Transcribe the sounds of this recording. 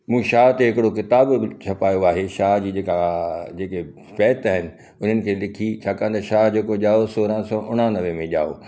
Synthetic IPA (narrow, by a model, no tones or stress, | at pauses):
mũːʃaːɦt̪eɦɪkɪɽokɪt̪aːbbɪt͡ɕʰɐpaːjoaːɦeʃaːɦd͡ʑiːd͡ʑeːkad͡ʑeːke | fɛːt̪aːɦɪnɪ̆ | ʊn̤ənɪ̆kʰeːlɪkʰit͡ɕʰaːkãə̃nd̪ɐʃaːɦd͡ʑeːkoʄaːosoːɾãsɔːʔʊɽ̃ãnɐʋẽmẽʄa̰ːo̰ː